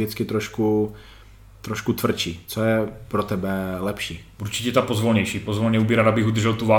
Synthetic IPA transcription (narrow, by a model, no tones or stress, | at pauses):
ɪt͡skɪt̪ɾoʃku | t̪ɾoʃkut̪vr̩t͡ʃiːt͡sojɛpɾot̪ɛbɛlɛpʃiː | uɾt͡ʃɪ̥cɛt̪apozvolɲɛjʃiːpozvolɲɛubɪɾadabɪxud̪r̩ʒɛlt̪uva